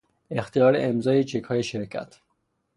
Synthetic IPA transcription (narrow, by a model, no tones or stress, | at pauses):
ext̪ijɒːɾḛʔemzɒːjet͡ʃʰekʰhɒːjeʃeɾkʰæ̰t̪ʰ